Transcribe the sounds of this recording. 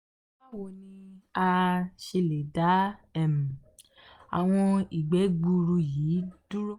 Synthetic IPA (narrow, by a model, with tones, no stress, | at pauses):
a˦˨wo˨nĩ˧a˧ʃe˧le˨da˨˦ɛ˦˨m̩̃˨ | a̰˨w̃ɔ̃˧i˨ɡ͡bɛ˨˦ɡ͡bu˧ɾu˧jiː˨˦d̥u˦ɾo˦